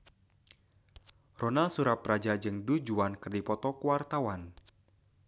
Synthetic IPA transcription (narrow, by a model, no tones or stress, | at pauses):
rɔnalsuɾaprad͡ʒad͡ʒɨŋdud͡ʒuankɨrdipɔt̪ɔkuwart̪awan